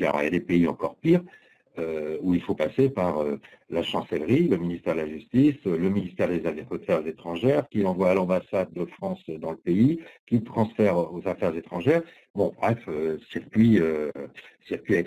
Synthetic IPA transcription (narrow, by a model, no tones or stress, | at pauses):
a̰lɔ̰ʁjad̪epeiɑ̰̃kɔʁpiʁ | øuilfopasepaʁø | laʃɑ̃sɛlʁiləminist̪ɛʁd̪əlaʒyst̪isləminist̪ɛʁd̪ezafɛfət̪ɛʁzet̪χɑ̃ʒɛʁkʲilɑ̃vwaːlɑ̃basad̪̚ːəfχɑ̃sd̪ɑ̃ləpeikʲit̪χɑ̃sfɛʁozafɛʁzet̪χɑ̃ʒɛʁ | bɔ̃bʁɛføsiʁkʲɥiø | siʁkʲɥiaɛt̪